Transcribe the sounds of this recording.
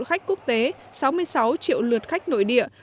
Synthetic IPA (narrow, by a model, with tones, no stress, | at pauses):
xa˦˥jk̟̚ku˦˥ək̚t̪e˨˦ | sa˨˦wmɨ˧əjsa˨˦wt͡ɕḭ˧˨əwlɨ˨˩ət̚xa˦˥jk̟̚no̰˧˨jɗḭ˧˨ə